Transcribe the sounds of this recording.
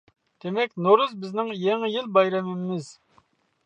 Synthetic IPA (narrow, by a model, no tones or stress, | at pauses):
d̪̥emɛkʲnoɾuzbɪznɪŋjeŋɪjilˠbɑjɾɛmɪmɪz̥